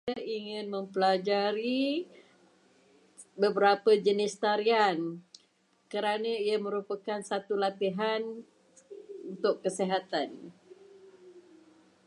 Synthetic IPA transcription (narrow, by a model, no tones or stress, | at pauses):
aiŋɪ̃nmə̃mpəlad͡ʒaɾi | bəbəɾapəd͡ʒənɪst̪aɾian | kəɾanãiamə̃ɾupakansat̪ulat̪iɦan | unt̪ʊkːəsiɦat̪an